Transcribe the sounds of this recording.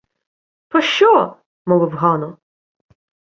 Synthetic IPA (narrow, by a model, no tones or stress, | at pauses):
pɔʃt͡ʃɔ | mɔʋɪwɦɑnɔ